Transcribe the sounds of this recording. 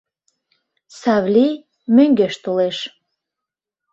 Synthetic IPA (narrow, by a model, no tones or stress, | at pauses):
savlʲi | møŋɡeʃt̪uleʃ